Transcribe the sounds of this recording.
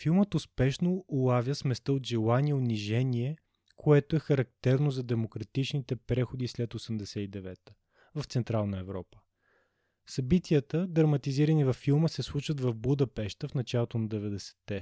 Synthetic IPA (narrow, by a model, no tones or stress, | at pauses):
filˠmət̪ʊspɛʃnoʊlˠavjəsmɛst̪əod̪ʒɛlˠaniɛʊniʒɛniɛ | kʰoɛt̪oɛxɐɾɐk̚t̪ɛɾnozɐd̪ɛmokɾɐt̪it͡ʃnit̪ɛpɾɛxʊd̪islɛt̪osɛmd̪ɛsɛid̪ɛvɛt̪ə̥ | vɐft̪sɛnt̪ɾalˠnəɛvɾɔ̰pə̥ | sɐbit̪iət̪əd̪ɾɐmɐt̪iziɾənivɐfːilˠməsɛslˠut͡ʃvət̪vɐvbud̪ɐpɛʃt̪əfnɐt͡ʃalˠot̪onɐd̪ɛvɛd̪ɛsɛ̥t̪ːɛ